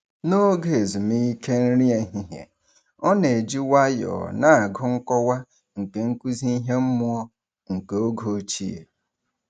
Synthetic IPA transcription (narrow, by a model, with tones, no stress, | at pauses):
no˦ɡe˨zu˨mi˦i˦ke˦n̩˦ɾi˦e˨ɦi˦ɦjḛ˨ | ɔ˦ne˨e˨d͡ʒi˦wa˦jɔ̰˨na˦˨a˨ɡʊ˦ŋ̩˦kɔ˦wa˦ | ŋ̩˨ke˨ŋ̩˦ku˦zi˦i˦ɦe˦m̩˦mʊ˦ɔ˦ | ŋ̩˨ke˨o˦ɡo˨˦t͡ʃḭ˦ḛ˨